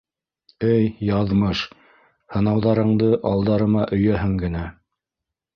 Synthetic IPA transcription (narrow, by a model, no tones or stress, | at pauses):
ɘjjɑðmɤʃ | hɤ̆nɑwðɑɾɤ̆ɴd̪ɤʔɑlˠd̪ɑɾɤ̆mɑʔɵ̆jæɦɘŋɡɘ̆næ